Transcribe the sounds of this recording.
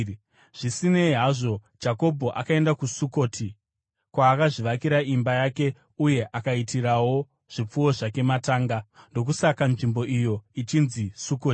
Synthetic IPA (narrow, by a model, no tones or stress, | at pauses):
ʐ̥isine̞iɦaʐo̞ | d͡ʒako̞bʱo̞ʔakae̞ndakusuko̞ːtʰi | kwaːkaʐiʋakiɾaʔimbajake̞ | uje̞ʔakaitʰiɾawo̞ | ʐ̥ip͡fuwo̞ʐake̞mataːŋɡando̞k̬usakanʐimbo̞ʔijo̞it͡ʃinzisukoːti̥